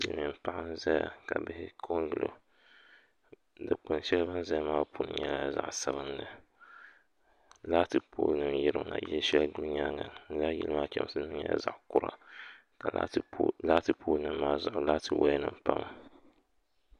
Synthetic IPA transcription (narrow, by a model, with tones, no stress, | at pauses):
jɪ˨lmɨ˨m˦pa˦ʔa˦n˦za˦ja̰˨ka˨bɪ˦hɪ˦kʰo˦ŋ˦ɡɨ˨lo̰˨ | dɨ˨k͡pʊ˨n˦ʃɛ˦lba˦n˦za˦maː˦pu˦nɨ̰˨˦ɲɛ˦la˦za̰˨ʔsa˦bɨ˦nːɨ˨ | laː˦tɨ˨po̰ː˦lnɨ˨mjɪ˦ɾɨ̰˦na̰˨jɛ˦lʃɛ˦lɡu˦lɲa˦ŋa˨ŋɨ˦la˦jḭ˦lɨ˦maː˦t͡ʃɛ̰˦m˦sɨ˦n˦mɨ˦ɲɛ̰˦za˨ʔkʊ˦ɾa̰˨ | ka˨l̰laː˦tɨ˨pʰoː˦lnɨ˦mːaː˦zʊ˨ʔʊ˨˦la˦tɨ˨wa˦nɨ˨mpa˦m˨